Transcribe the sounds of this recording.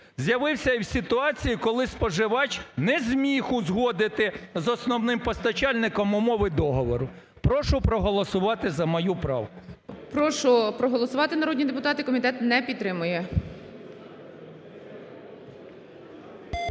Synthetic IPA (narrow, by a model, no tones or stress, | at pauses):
zʲjɐʋɪwsʲɐiwsʲɪt̪ʊɑt͡sʲijikɔlˠɪspɔʒɪʋɑt͡ʃnɛzʲmʲixʊzɦɔd̪ɪt̪ɪzɔsnɔwnɪmpɔst̪ɐt͡ʃɑlʲnɪkɔmʊmɔʋɪd̪ɔɦɔʋɔɾʊ | pɾɔʃʊpɾɔɦɔlˠɔsʊʋɑt̪ɪzɐmɔjupɾɑ̰wkʊ̥pɾɔʃʊpɾɔɦɔlˠɔsʊʋɑt̪ɪnɐɾɔdʲnʲid̪ep̬ʊt̪ɑt̪ɪkɔmʲit̪ɛt̪nɛpʲit̪t̪ɾɪmʊjɛ